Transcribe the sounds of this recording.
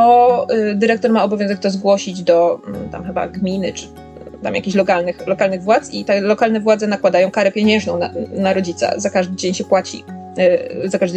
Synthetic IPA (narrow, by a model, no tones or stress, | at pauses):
ɔd̪ɘɾɛk̚t̪ɔɾmaɔbɔvʲjɔ̃zɛk̚t̪ɔzɡwɔɕid͡ʑd̪ɔt̪a̰mxɘba̰ɡmʲinɘt͡ʂ | t̪a̰mjakʲiɕlɔkalnɘxlɔkalnɘɣvwat̪sit̪ɛlɔkalnɛvwad̪zɛnakwad̪ajɔ̃w̃kaɾɛpʲjɛɲɛ̃ʐnɔ̃w̃nanaɾɔd͡ʑit̪sa̰zakaʐd̪ɘd͡ʑeɲɕɛpwat͡ɕḭ | zakaʐd̪ɘ